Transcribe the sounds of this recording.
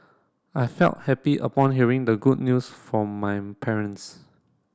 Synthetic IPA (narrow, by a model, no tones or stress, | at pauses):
ajfɛ̰lt̚hɛpiʔə̰pɔ̃nɦiəɹɪ̃ŋdəɡud̚ⁿnjusfɹɔ̃mːajpʰɛɹə̃ns